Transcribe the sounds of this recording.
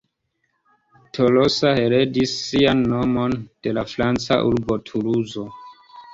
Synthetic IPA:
tʰo̞losahe̞ɾe̞disːianːo̞mo̞nd̥e̞lafɾant͡sa̰ʔuɾbo̞tʰuɾuzo̞

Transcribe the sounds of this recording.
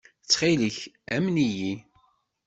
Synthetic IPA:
t͡sːχiliçæmniji

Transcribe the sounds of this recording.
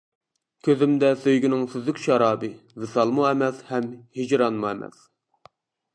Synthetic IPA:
kʲʰøzɪmd̪ɛsøjɡʲinɪŋsyzɪkʲʃɑɾɑːbɨvɨsɑlˠmuɛmɛshɛmhid͡ʒɾɑnmuɛmɛ̰s

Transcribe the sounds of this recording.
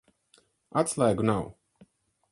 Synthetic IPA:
at̪slˠajɡunaw

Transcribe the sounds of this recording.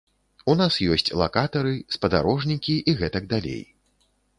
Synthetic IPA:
unasjɔsʲt͡sʲlˠa̰kat̪ɐɾɨspɐd̪a̰ɾɔʐnʲikʲiʔiɣɛt̪ɐɡ̚d̪alʲḛj

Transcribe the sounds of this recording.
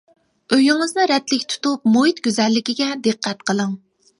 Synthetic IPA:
øjyŋɨznɨɾɛt̪lɪkʲt̪ʰu̥t̪up̚moɦit̪ɡʲyzɛlːɪkʲiɡʲɛd̪ɨqʰːæt̪qʰəlˠəŋ

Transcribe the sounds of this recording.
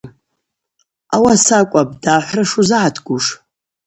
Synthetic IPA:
awasakʷʼab̚daħʷrɨʂuzaʕatʰɡʷʼuʂ

